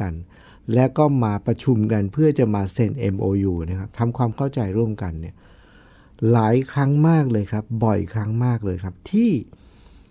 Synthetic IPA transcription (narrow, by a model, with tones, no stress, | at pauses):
a˧n | lɛː˦˥wkɔː˥˩maː˧pɾa˧t͡ɕʰu˧mka˧npʰɯ˥˩ɐt͡ɕa˨˩maː˧se˧˩nʔe˧mʔoː˧juː˧na˦˥kʰa˦˥p̚t̪ʰa˧mkʰwaː˧mkʰa˥˩wt͡ɕa˧jɾu˥˩əmka˧nːi˥˩ɐ | laː˩˦jkʰɾa˦˥ŋmaː˥˩k̚lɤː˧jkʰɾa˦˥p̚bɔ˨˩jkʰɾa˦˥ŋmaː˥˩k̚lɤː˧jkʰa˦˥p̚t̪ʰiː˥˩